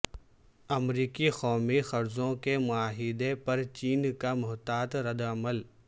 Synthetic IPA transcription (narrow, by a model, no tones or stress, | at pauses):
ɐmɾiːkixɔːmixɐɾzõkemʊaːɦɪd̪epɐɾt͡ʃiːnkamʊɦt̪aːt̪ɾɐd̪ɐməl